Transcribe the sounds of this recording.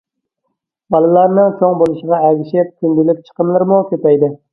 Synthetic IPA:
bɑlˠɨlˠɑɾnɪŋkʲʰoŋbolˠɨʃɪʁɑæɡʲɪʃɪp̚t̪ʰɪnd̪ɪlɪp̚t͡ʃʰə̥qəmlˠɨɾmʊkʲʰøt̪æjd̪ɪ

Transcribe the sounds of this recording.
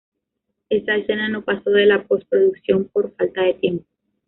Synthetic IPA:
e̞st̪aese̞nano̞paso̞ðe̞lapo̞spɾoðuksjo̞mpo̞ɾfalt̪aðe̞t̪je̞mpo

